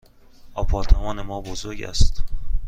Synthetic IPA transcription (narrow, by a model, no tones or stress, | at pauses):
ɒːpʰɒːɾt̪ʰemɒːnemɒːbozoɾɟæ̰st̪